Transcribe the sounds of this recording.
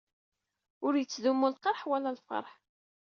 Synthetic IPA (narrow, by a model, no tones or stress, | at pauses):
ʊɾjət͡sːðumːulqəɾˤħwælælfɑ̰ɾˤħ